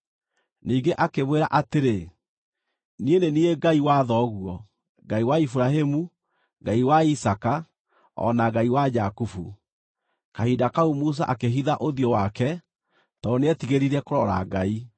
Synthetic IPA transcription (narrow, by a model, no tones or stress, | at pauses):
niːɡeʔakemweɾaʔateɾe | nienenieɡaiwaðɔɣuɔ | ɡaiwaifuɾaɦemu | ɡaiwaisaka | ɔ̰naɡaiwad͡ʒakufṵ | kahidakaumus̬a̰ʔakeɦiðaʔoðijɔwakɛ | tɔneɛtiɣeɾiɾɛkoɾɔɾa̰ɡai